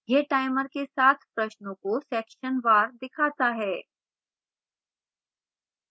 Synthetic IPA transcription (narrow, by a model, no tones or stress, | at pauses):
jeʈaːɪməɾkesaːt̪ʰpɾɐʃnõkosɛːkʃənʋaːɾd̪ɪkʰaːt̪aɦɛː